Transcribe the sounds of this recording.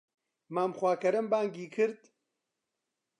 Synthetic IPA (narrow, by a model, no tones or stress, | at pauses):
maːmxʷaːkɐɾɨmbaːŋɡiːkʰɨɾd̪